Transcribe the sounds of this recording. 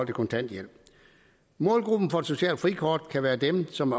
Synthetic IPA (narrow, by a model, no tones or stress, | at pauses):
l̰d̥əkʰɔ̽nt͡sʰæn̰d̥jel̰b̥ | mɔ̽ːlɡ̥ʁub̥n̩fɒe̥so̝ɕɛ̰ːl̥fʁikʰɒːd̥kʰæʋæːɐd̥emsɒ̽mæ